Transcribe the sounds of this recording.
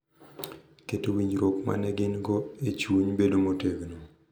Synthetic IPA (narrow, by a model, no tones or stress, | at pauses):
ketowiɲd͡ʒɾokma̰nɛɡɪnɡoet͡ʃwuɲbedomoteɡno